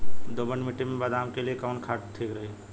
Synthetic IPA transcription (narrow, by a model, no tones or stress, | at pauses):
d̪oːbəɳɖmiʈimẽbəd̪aːmkeliekaʋnkʰaːʈt̪ʰikɾɐɦi